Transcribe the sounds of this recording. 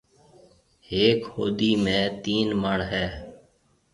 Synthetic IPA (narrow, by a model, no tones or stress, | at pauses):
ɦeːkho̰ːd̪iːmẽːt̪iːnməɳɦɛː